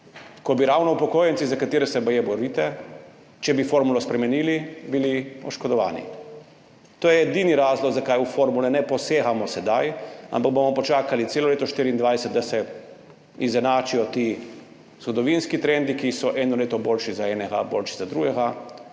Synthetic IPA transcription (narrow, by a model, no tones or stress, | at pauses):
kɔbiɾaːwnɔupɔkoːjɛnt̪sizakat̪iːɾɛsɛbɐjɛbɔɾiːt̪ɛ | t͡ʃɛbifoɾmulɔspɾɛmɛniːlibiliɔ̰ʃkɔd̪ɔʋa̰ːnḭ | t̪oːjɛːd̪iniɾaːzlɔɡzakajufoɾmulɛnɛpɔseːxamɔsɛd̪aja̰mpaɡ̚bomɔpɔt͡ʃaːkalit̪seːlɔleːt̪ɔʃt̪iːɾind̪ʋajsɛt̪̚d̪asɛ | izɛnaːt͡ʃijɔt̪iː | zɡɔd̪ɔʋinskit̪ɾɛnd̪ikisɔʔɛnɔleːt̪ɔboːlʃizaɛnɛɡa̰bo̰ːlʃizad̪ɾuɡɛɡa